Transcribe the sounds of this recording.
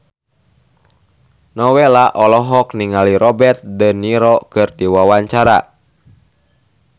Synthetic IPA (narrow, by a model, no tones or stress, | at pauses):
nɔwɛlaʔɔlɔɦɔk̚niŋaliɾɔbɛrt̪̚dəniɾɔkɨrdiwawaɲt͡ʃaɾa̰